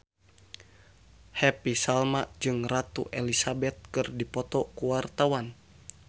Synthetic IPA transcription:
hɛpisalmaʔd͡ʒɨŋrat̪ṵʔɛlisabɛt̪̚kɨrdipɔt̪ɔkuwart̪awan

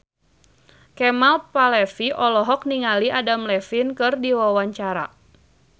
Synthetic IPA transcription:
kɛmalpalɛfiʔɔlɔɦɔk̚niŋaliʔadamlɛfinkɨrdiwawaɲt͡ʃaɾa̰

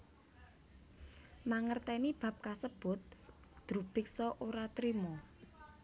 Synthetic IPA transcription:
maŋərt̪ɛnib̥ä̤p̚kasəb̥ʊ̤t̪̚ | d̪̥ɾub̥ɪ̤k̚sɔʔoɾat̪ɾimɔ

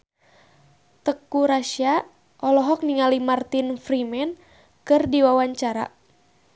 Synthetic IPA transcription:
t̪əkuɾaʃia | ʔɔlɔɦɔk̚niŋalimart̪infrimɛn | kɨrdiwawaɲt͡ʃaɾa̰

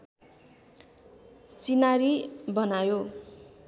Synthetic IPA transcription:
t͡sinaɾibʌnajo

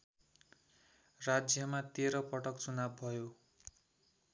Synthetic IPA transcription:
rad͡zjʌmat̪eɾʌpʌʈʌkt͡sunabbʱʌjo

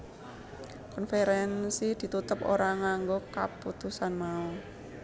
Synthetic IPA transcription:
kɔnfeɾɛnsid̪̥i̤t̪ut̪əpo̰ɾaŋaŋɡokaput̪usanmau

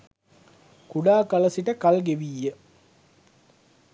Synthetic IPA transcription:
kuɖaːkɐlɐsiʈəkɐlɡeʋijːə

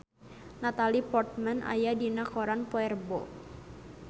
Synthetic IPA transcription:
nat̪alipɔrt̪̚mɛnʔa̰jadinakɔɾanpɔɛrbɔ

